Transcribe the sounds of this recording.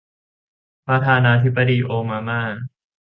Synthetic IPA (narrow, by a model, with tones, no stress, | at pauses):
pɾa˧t̪ʰaː˧naː˧t̪ʰi˦˥bːa˧diː˧ʔoː˧maː˧maː˥˩